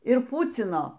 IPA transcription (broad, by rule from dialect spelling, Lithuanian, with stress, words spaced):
ɪr ˈpʊt͡sʲɪnoː